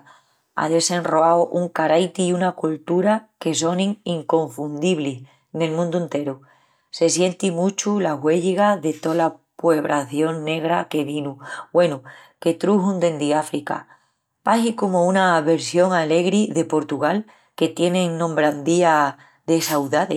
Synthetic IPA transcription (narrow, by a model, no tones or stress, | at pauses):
a̰ðe̞se̞nroawʔuŋkaɾajt̪iunakult̪uɾake̞so̞nĩŋiŋko̞ɱfund̪iβlih | ne̞lmũnd̪ue̞nt̪e̞ɾu | se̞sje̞nt̪imut͡ʃulaɦwe̞ʎiɣaðe̞t̪o̞lapwe̞βɾʔaθjo̞ŋne̞ɣ̞ɾake̞βinuwe̞nu | ke̞t̪ɾuɦund̪e̞nd̪iafɾika̰ | paɦikomounaβe̞ɾsjo̞ŋale̞ɣɾiðe̞po̞ɾt̪uɣ̞al | ke̞t̪je̞nẽŋnõ̞mbɾand̪ia | ðe̞sawðaðe